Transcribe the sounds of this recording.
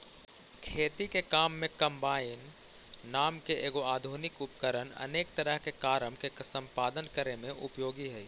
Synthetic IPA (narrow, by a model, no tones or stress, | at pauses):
kʰeːt̪ikekaːmːẽkə̃mbaːɪnː | aːmkeʔeːɡoaːd̪ʱunɪkʊpkəɾənə̰neːkt̪əɾəɦkekaːɾəmkeksə̃mpaːd̪ənkəɾemẽʔʊpjoːɡiɦɛ